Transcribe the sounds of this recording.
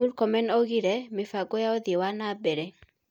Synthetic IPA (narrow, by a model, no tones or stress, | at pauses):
ulkɔmɛnɔɣiɾɛmɪfaɡɔjaɔðewanabɛɾɛ